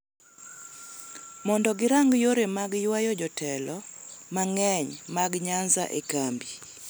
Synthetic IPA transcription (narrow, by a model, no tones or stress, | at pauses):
mɔndɔɡɪɾaŋɡjoɾemaɡjwajɔd͡ʒɔtʰɛlɔmaŋɛɲmaɡɲanza̰ʔekambi